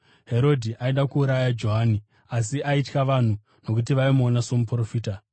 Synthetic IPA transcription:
ɦe̞ɾo̞dʱiʔaiɗakuːɾajad͡ʒo̞ɦaːni | as̬iʔaitkaʋan̤u | no̞k̬ut̬iʋaimonaso̞mupro̞fiːta

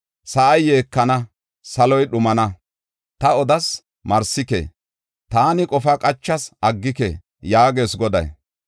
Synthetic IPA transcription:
sɐʔɐjːe̞ːkːɐnɐ | sɐlɔjɗʊmɐnɐ | t̪ɐɔd̪ɐs | mɐɾsɪkḛ | t̪aːnɪkʼɔfakʼɐt͡ʃːɐsʔɐɡːɪkḛ | jaːɡe̞ːsɡɔd̪ɐ̰j

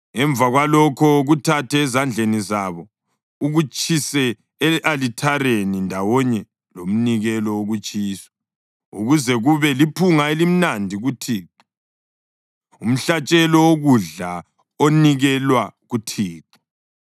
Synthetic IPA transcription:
ɛɱb̪vʱaɣwalɔkʰɔɣutʰatʰɛːzand͡ɮʱenizaβɔ | uɣut͡ʃʼʰisɛ | ʔalitʰaɾenindʱawɔɲɛ | lom̩niɣɛlɔoɣut͡ʃʼiːsɔ̥ | ṵɣuzɛɣuβɛlipʰuŋaelim̩nandʱiɣutʰiːǃi | um̩ɬat͡ʃʼɛlɔwoɣuɮa | oniɣɛlwaɣutʰiːǃi̥

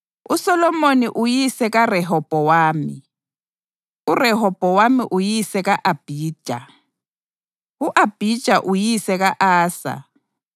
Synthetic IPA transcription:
usɔlɔmoniʔujisɛk̬arɛɦɔb̥ʼɔwaːmḭ | urɛɦɔb̥ʼʱɔwamiʔujisɛk̬aʔab̥ʱi̥ːʒ̥ʱa̰ | uʔab̥ʱid̥ʒ̥ʼʱaʔujisɛk̬aʔaːsa̰

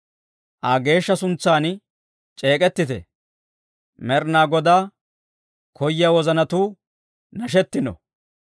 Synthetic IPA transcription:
ʔaːɡe̞ːʃːɐsʊnt͡sːaːn | t͡ʃʼe̞ːkʼɛt̪ːɪt̪ɛ̰ | mɛɾnaːɡɔd̪aː | kʰɔjːɪjawɔzɐnɐt̪uː | nɐʃ̬ɛt̪ːɪnɔ̰

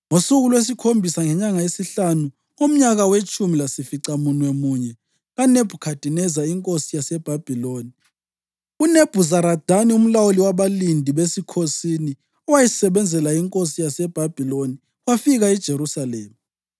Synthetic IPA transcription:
ŋosuɣulwes̬ikʰombʱisaŋɛɲaŋaesiɬanu | ŋom̩ɲaɣawet͡ʃʼumilasifiǀamunwɛmuɲɛ | ɣaneb̥ʱukʰad̥ʱinɛzaiŋkʼosijasɛb̥ʱab̥ʱiloːni | uneb̥ʱuzaɾad̥ʱanium̩lawoliwaβalindʱiβesikʰosini | ɔwajisɛβɛnd͡zʱɛlaiŋkʼosijasɛb̥ʱab̥ʱiloni | wafiɣaid̥ʒ̥ʱeɾusalɛːma

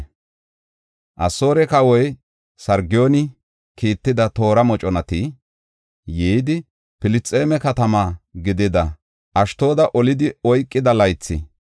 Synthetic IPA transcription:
ʔɐso̞ːɾɛkɐwɔj | sɐɾɡɪjoːnɪ | kiːt̪ːɪd̪ɐt̪o̞ːɾɐmɔt͡ʃʼɔnɐt̪i | jɛːd̪ɪ | pɪlɪt͡sʼːe̞ːmɛkɐt̪ɐmaːɡɪd̪ɪd̪ɐ | ʔɐʃt̪o̞ːd̪ɐʔɔlɪd̪ɪɔjkʼːɪd̪ɐlɐjt͡sːɪ̰

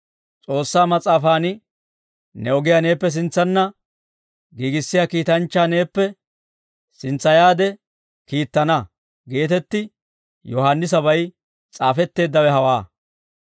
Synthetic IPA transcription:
t͡sʼo̞ːsːaːmɐt͡sʼaːfaːnɪ | nɛɔɡɪjane̞ːpːɛs̬ɪnt͡sːɐnːɐ | ɡiːɡɪsːɪjaːkiːt̪ɐnt͡ʃːaːne̞ːpːɛ | sɪnt͡sːɐjaːd̪ɛ | kiːt̪ːɐnɐ | ɡe̞ːt̪ɛt̪ːɪ | jɔɦaːnːɪs̬ɐβɐj | t͡sʼaːfɛt̪ːe̞ːd̪ːɐwɛɦɐwaː

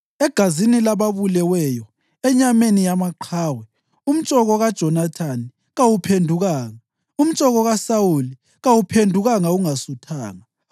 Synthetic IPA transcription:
ɛɡ̥ʱazinilaβaβulɛwɛjɔ | ɛɲamenijamaǃʰaːwɛ | um̩t͡ʃʼɔɣɔɣad̥ʒ̥ʱɔnatʰani | ɣawupʰendʱuɣaːŋa | um̩t͡ʃʼɔɣɔɣasawuli | ɣawupʰendʱuɣaŋauŋasutʰaːŋa

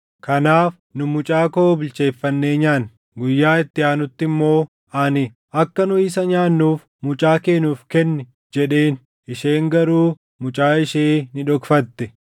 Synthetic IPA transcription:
kɐnaːf | nʊmʊt͡ʃʼaːkoobɪlt͡ʃe̞ːfːɐnːe̞ːɲaːn | ɡʊjːaːɪt̪ːɪaːnʊt̪ːɪmːo̞ː | ɐnɪ | ɐkːɐnʊɪːsɐɲaːnːuːf | mʊt͡ʃʼaːke̞ːnuːfkɛnːɛ | d͡ʒɛᶑe̞ːn | ɪʃeːŋɡɐɾuː | mʊt͡ʃʼaːɪʃeːnɪᶑɔkfɐt̪ːɛ

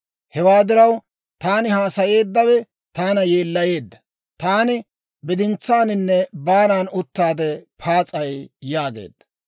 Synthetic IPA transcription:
hɛwaːd̪ɪɾɐw | t̪aːnɪhaːsɐje̞ːd̪ːɐwɛ | t̪aːnɐjeːlːɐje̞ːd̪ːɐ̥ | t̪aːnɪ | bɪd̪ɪnt͡sːaːnɪnːɛbaːnaːnʊt̪ːaːd̪ɛpʰaːt͡sʼɐjjaːɡḛːd̪ːɐ̥

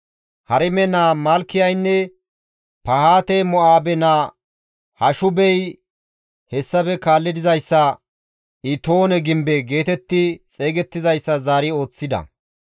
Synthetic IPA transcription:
hɐɾɛmɛnaːmɐlkːɪjɐjnːɛ | pɐhaːt̪ɛmɔʔaːbɛna | hɐʃʊbɛj | hɛsːɐpɛkaːlːɪd̪ɪzɐjsːɐ | ʔɪt̪o̞ːnɛɡɪmbɛɡe̞ːt̪ɛt̪ːɪt͡sʼe̞ːɡɛt̪ːɪzɐjsːɐzaːɾɪo̞ːt͡sːɪd̪ɐ̰

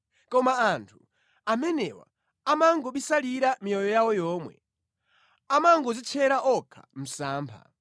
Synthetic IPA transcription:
kɔmaantʰu | amɛnɛwa̰ | amaŋɡɔɓisaliɾamijɔjɔjawɔjɔːmwɛ̰ | amaŋɡɔzit͡ʃʰɛɾaʔɔkʰam̩saːmpʰa̰

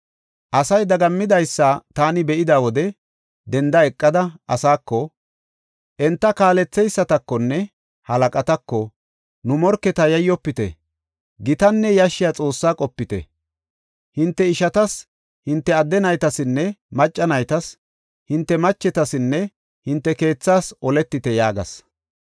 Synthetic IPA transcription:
ʔɐsɐjd̪ɐɡɐmːɪd̪ɐjsːat̪aːnɪbɛʔɪd̪aːwɔd̪ɛ | d̪ɛnd̪ɐɛkʼːɐd̪ɐʔɐsaːkːɔ | ʔɛnt̪ːɐkaːlɛt͡sːɛjsːɐt̪ɐkːɔnːɛ | hɐlɐkʼɐt̪ɐkːɔ | nʊmɔɾkːɛt̪ɐjɐjːɔpːɪt̪ɛ̰ | ɡɪt̪ɐnːɛjɐʃːɪjat͡sʼo̞ːsːaːkʼɔpːɪt̪ɛ̰ | hɪnt̪ːɛɪʃɐt̪ɐs | hɪnt̪ːɛɐd̪ːɛnɐjt̪ɐsɪnːɛmɐt͡ʃʼːɐnɐjt̪ɐs | hɪnt̪ːɛmɐt͡ʃːɛt̪ɐsɪnːɛ | hɪnt̪ːɛke̞ːt͡sːaːsɔlɛt̪ːɪt̪ɛjaːɡɐ̰s

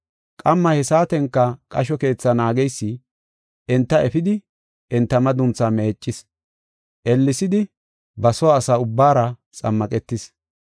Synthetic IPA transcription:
kʼɐmːɐhɛsaːt̪ɛŋkːɐkʼɐʃɔke̞ːt͡sːɐnaːɡɛjsːɪ | ɛnt̪ːɐɛfɪd̪ɪ | ʔɛnt̪ːɐmɐd̪ʊnt͡same̞ːt͡ʃʼːɪs | ʔɛlːɪsɪd̪ɪ | bɐsɔwaːsaːʊbːaːɾɐt͡sʼɐ̰mːɐkʼɛt̪ːɪs

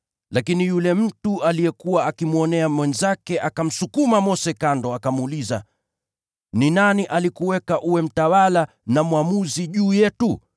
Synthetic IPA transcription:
lakinijulɛm̩tualijɛkuwaːkimuɔnɛamwɛnzakɛʔakam̩sukumamɔsɛkandɔakamuliza̰ | ninaniʔalikuwɛkaʔuwɛm̩tawala | namuwamuziʄuːjɛtu

